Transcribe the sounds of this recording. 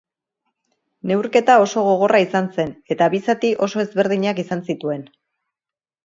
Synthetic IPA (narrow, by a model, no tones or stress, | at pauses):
ne̞wɾke̞t̪ao̞so̞ɣ̞o̞ɣo̞rʔaisanse̞ne̞t̪aβisat̪iʔo̞so̞e̞zβe̞ɾð̞iɲakisansit̪ue̞n